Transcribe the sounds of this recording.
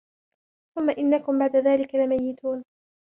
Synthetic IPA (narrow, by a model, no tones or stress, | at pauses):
θʊmːaʔɪnːakʊmbaʕd̪aðaːlɪkalɪmajːɪt̪uːn